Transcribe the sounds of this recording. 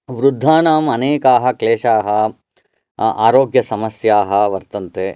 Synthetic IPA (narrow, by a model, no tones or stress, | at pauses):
ʋɾud̪ʱːaːnaːmɐneːkaːɦɐ̆kleːʂaːɦɐ | a̰ːɾoːɡjɐsɐmɐsjaːɦɐʋɐɾt̪ɐnt̪eː